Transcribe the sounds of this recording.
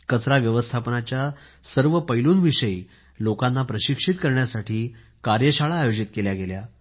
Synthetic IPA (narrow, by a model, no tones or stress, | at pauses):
kət͡sɾaʋjəʋəst̪ʰapnat͡ɕja | səɾʋəpəjluːnʋiʂəi | lokanːapɾəɕikʂit̪kəɾɳjasaʈʰiː | kaɾjəɕaɭaːjod͡ʑit̪keljaɡelja